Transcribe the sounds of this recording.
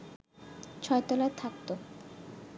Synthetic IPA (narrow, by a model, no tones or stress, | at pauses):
t͡ɕʰɔet̪ɔlat̪ʰak̚t̪o